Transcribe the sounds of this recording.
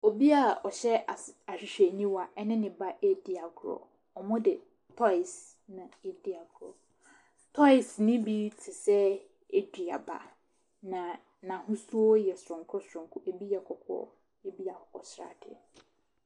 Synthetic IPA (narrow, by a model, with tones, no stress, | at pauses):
o˨bi˦a˨ɔ˨ɕɛ˦˨a˨ɕᶣɪ˨ɕᶣɛ˨nĩ˦wa˨ʔɛ˦nɪ̃˦nɪ̃˨ba˦ʔe˦dɪ˨a˨ɡʰʊ˨ɾɔ̰˨ | ɔ˨mʊ̃˦dɪ˨ | tʰɔ˦ɪ˨s | nã˨e˦di˦a˨ɡʰɾɔ̰˨ | tʰɔ˦ɪ˨snɪ̃˦bi˦tʰɪ˨sɛ˦ | e˦dᶣi˨a̰˨ba̰˨ | nã˨ | nã˨hʊ̃˦su˦ɔ˦jɛ˨sʊ˨ɾʊ̃˨ŋ˨kʰʊ˦sʊ˨ɾʊ̃˨kʰʊ˦ʔe˨bi˦jɛ˨kʰɔ˨kʰɔ̰˦ɔ̰˦ | e˦bi˦a˨hʊ˨ɔ˨sɾa̰˨dʰɪ̰˦